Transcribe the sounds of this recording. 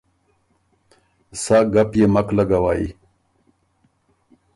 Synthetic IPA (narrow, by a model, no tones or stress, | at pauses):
saːɡɐpjemɐklɐɡawaːḭ